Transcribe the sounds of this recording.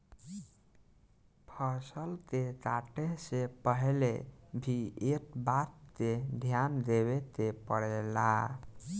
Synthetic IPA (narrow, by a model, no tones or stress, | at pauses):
pʰəɾsəlt̪et̪aʈesepəɦlebʱiekbat̪ːed̪ʱjand̪eβet̪epəɽɛla̰